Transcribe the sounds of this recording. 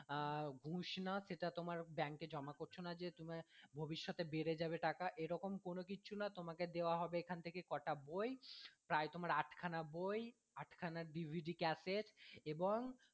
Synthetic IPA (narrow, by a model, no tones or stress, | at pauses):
ɡʱũʃnaʃeʈat̪omaɾbɛŋked͡ʑɔmakoɾt͡ɕʰonad͡ʑet̪omebʱobiʃːɔt̪ebeɾed͡ʑabeʈakaʔeɾɔkomkonokit͡ɕʰunat̪omaked̪eoaɦɔbeekʰant̪ʰekekɔʈabojpɾaet̪omaɾaʈʰkʰanaboj | aʈʰkʰanaɾɖibʱiɖikɛseʈeboŋ